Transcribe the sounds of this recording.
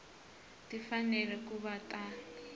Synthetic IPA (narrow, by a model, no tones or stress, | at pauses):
tifanɛlɛkuβatʼa